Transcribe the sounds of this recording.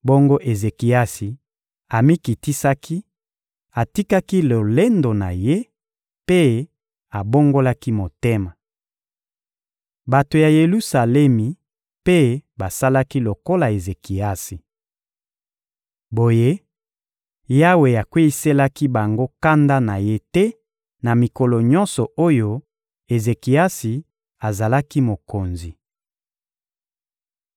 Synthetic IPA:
bo˦ŋɡo˦ʔe˨ze˨ki˨a˦si˨ | a˨mi˦ki˨ti˦sa˦ki˦ | a˨ti˦ka˦ki˦lo˨le˦ndo˨na̰˨je˦ | pe˦ | a˨bo˦ŋɡo˦la˦ki˦mo˨te˦ma˨ | ba˨to˨ja˨je˨lu˦sa˨lɛ˦mi˨ | pe˦ba˨sa˦la˦ki˦lo˨ko˦la˨e˨ze˨ki˨a˦si˨ | bo˨je˦ | ja˦we˨ja˨kwe˦i˦se˦la˦ki˦ba˨ŋɡo˦ka˦nda˦na˨je˦tɛ˦ | na˨mi˨ko˨lo˨ɲɔ˦nsɔ˨o˦jo˦ | e˨ze˨ki˨a˦si˨ | a˨za˨la˦ki˦mo˨ko˨nzi˨

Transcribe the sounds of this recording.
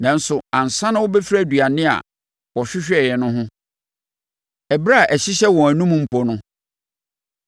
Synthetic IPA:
nã˨n̩˦sʊ˨ã˨n̩˨sã˦nã˦wʊ˦bɛ˦fɾæ˦˨dɥa˨nɪ̃˦a̰˨ | wɔ˨ɕᶣɪ˦ɕᶣɛ˨jɛ˨nʊ̃˦ɦʊ̃˦ | ɛ˨bɾa˦˨ʔæ˨ɕi˦ɕɛ˦wɔ̃˨æ˨nũ˦m̃˦m̩˨pʰɔ˨nʊ̃˦

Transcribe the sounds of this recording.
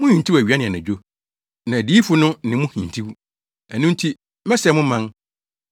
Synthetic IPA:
mʊ̃˦hĩ˨n˨tʰi˦wæ˨ɥi˨˦a˦nɪ̃˨ɛ˨nã˨d͡ʑᶣo˦ | nã˨di˦fʊ˦nʊ̃˦nɪ̃˨˦mʊ̃˦hĩ˨n˨tʰi˦w | æ˨nʊ̃˦n˦tʰi˦ | mɛ˦sɛ˨mʊ̃˦mã˦n

